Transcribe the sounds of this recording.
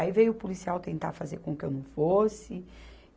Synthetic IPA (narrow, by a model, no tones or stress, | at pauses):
ivejʊpulisiawt̪ẽnt̪a̰ɾfazeɾkõkɪewnɐ̃w̃fosɪ